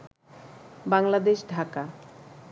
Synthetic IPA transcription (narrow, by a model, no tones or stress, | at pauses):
baŋlad̪eʃɖʱaka